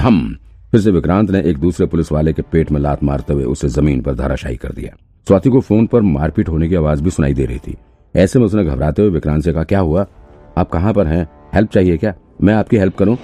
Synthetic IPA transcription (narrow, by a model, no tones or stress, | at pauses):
ɦɐm | fɪɾs̬eʋɪkɾãːnt̪neʔeːk̚d̪uːsɾepʊlɪsʋaːlekepeːʈmẽla̰ːt̪ʰma̰ːɾt̪eɦuḛʊsezɐmiːnpɐɾd̪ʱaːɾaʃa̰ːḭkɐ̰ɾd̪ḭja̰ː | swaːt̪ʰikofoːnpɐɾmaːɾpɪʈɦoːnek̬iaːʋaːzbʱisʊna̰ːid̪ḛːɾɐ̰ɦḭt̪ʰḭː | ɛːsemɛ̃ʊsneɡʱɐbɾaːt̪eɦueʋɪkɾãːnt̪sekɐɦakjaːɦua | aːp̚kɐɦãpɐɾɦɛ̃ | hɛlp̚t͡ʃaːɦiekjaː | mɛ̃ːaːpkiɦɛlp̚kɐɾũː